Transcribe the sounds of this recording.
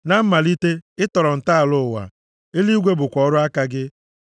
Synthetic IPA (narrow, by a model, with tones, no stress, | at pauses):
na˦m̩˦ma˨li˦te˦ɪ˦tɔ˨ɾɔ˨n̩˨ta˦a˨lʊ˦ʊ˨wa̰˨ | e˦li˦ɡʷe˦bʊ˨kʷɔ˦ɾʊ˦a˦ka˦ɡɪ˦